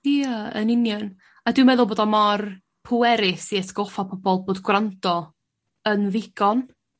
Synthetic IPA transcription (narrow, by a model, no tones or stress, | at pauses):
iəə̰nɪnjən | adwɨmɛðʊlˠboːdɔmar | pʰʊwɛɾɪsiɛtɡ̥ɔfapʰɔbɔlˠboːdɡwrandɔ | ənvɪɡ̥ɔn